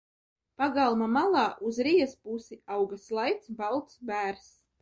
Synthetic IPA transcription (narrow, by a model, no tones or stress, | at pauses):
paɡalˠmamalˠɑːʔuzɾijɛspusiawɡaslˠajt̪sbalˠt̪sbæːɾs